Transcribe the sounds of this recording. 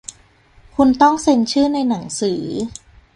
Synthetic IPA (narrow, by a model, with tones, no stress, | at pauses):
kʰu˧nt̪ɔ˥˩ŋse˧nt͡ɕʰɯː˥˩na˧jna˩˦ŋsɯː˩˦